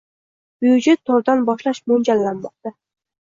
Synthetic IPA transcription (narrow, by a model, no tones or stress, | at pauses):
b̥jud͡ʒet̪ʰːoɾd̪ɑnbɑʃlˠɑʃmond͡ʒɑlːɑnmɑq̚t̪ɑ